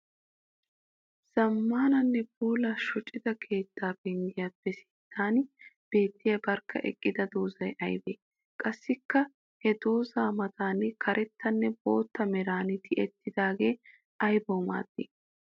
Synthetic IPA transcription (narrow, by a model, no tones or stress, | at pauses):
z̥ɐmːaːnɐnːɛbuːlɐʃɔt͡ʃʼːɪd̪ɐkʰe̞ːt̪ːaːbɛŋɡɪjaːpːɛsɪ̥t̪ʰːaːnb̥e̞ːt̪ːɪjɐbɐɾkːɐ̰ʔɛ̰kʼːɪd̪ɐd̪o̞ːzɐjʔɐjbeː | kʼɐsːɪkːɐ | hɛd̪o̞ːzaːmɐt̪aːnɪkʰɐɾʔɛt̪ːɐnːɛbo̞̰ːt̪ːɐmɛɾaːnɪt̪ʰɪʔɛt̪ːɪd̪aːɡe̞ː | ɐjboːma̰ːd̪̥ːeː